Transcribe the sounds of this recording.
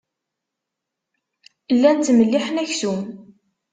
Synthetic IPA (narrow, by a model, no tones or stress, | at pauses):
əlːænt̪ːməlːiħənæçsum